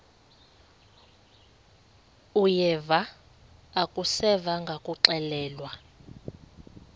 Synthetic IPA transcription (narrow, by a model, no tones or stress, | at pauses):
ujɛvaː | kʼusɛvaŋɡʱakʼuǁɛlɛːlwa